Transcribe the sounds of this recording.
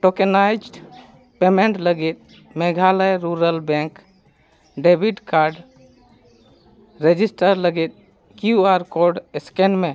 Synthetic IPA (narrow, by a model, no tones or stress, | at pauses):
ʈokenajd͡ʒɖ | pemeɳʈləɡet̪̚ | meɡʱaləjɾuɾəlbẽŋk | ɖebʱiʈkaɾɖ | ɾed͡ʒisʈəɾləɡet̪̚ | kjuaɾkoɾɖeskenme